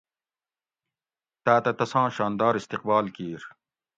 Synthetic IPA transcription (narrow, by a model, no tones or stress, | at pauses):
t̪aːt̪ɐt̪ɐsãːɕaːnd̪aːɾist̪iq̚baːlkiːɾ